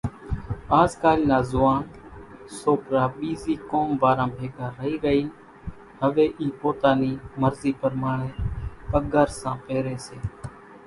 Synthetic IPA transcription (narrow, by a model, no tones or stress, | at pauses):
aːzkaːlnaːzʊʋaːnsoːpɾaːɓiːziːkoːmʋaːɾãːbʱeːɡaːɾəɦiːɾəɦiːn | ɦəʋeːʔiːpoːt̪aːniːməɾziːpəɾmaːɳeːpəɡəɾsãːpeːɾeːseː